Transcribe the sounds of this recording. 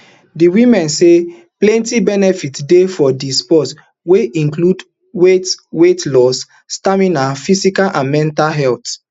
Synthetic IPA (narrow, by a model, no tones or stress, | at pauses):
diwĩmɛ̃nse | plɛ̃ntibɛnɛfitdefɔdispɔs | weʔĩŋklud | wetwetlɔsː | tamĩnafisikalʔãnmɛ̃ntalɦɛlt